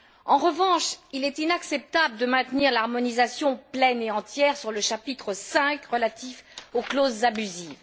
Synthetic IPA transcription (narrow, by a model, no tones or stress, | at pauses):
ɑ̃ʁəvɑ̃ʃilɛt̪inaksɛp̚t̪abləd̪əmɛ̃t̪niʁlaʁmɔnizasjɔ̃plɛneɑ̃t̪jɛʁsyʁləʃapit̪χəsɛ̃kʁəlat̪ifoklozːabyziːv